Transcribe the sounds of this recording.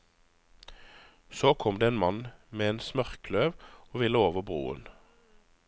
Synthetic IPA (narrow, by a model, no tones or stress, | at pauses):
soːkʰɔmd̪eːeːnmɑnmeːeːnsmœʁkløːʋoːʋɪləoːʋəʁbʁṵːə̰n